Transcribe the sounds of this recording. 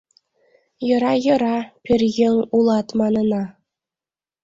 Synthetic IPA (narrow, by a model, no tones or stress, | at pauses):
jɤ̆ɾɑjɤ̆ɾɑpʲɘrjɘ̆ŋulˠɑt̪mɑnɤ̆nɑ